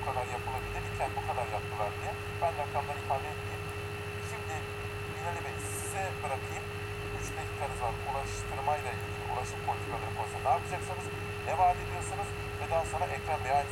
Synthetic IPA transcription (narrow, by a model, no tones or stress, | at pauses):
kʰad̪aɾjapʰɯlˠabilʲiɾicʰænbukʰad̪aɾjakmɯlˠaɾɯja | bænɾakɾamlˠaɾɯifalʲeeb̪ii | ʃimd̪ɪ | binelʲimɛissizɛbɯɾakʰɯjɯm | yt͡ʃbelʲikʰːaɾɯzlˠaɾulˠaʃt̪ʰɯɾmajlʲˠailʲɟʲilʲḭʔṵlˠaʃɯmpʰolʲit̪ʰikʰalˠaɾɯbʰonsɯnaːpʰɯd͡ʒaksanɯz̥ | ɛvaɾd̪id̪ʲijoɾsɯnɯz̥ | vɛd̪ænso̞nɾaʔɛcɾand̪ajanʲ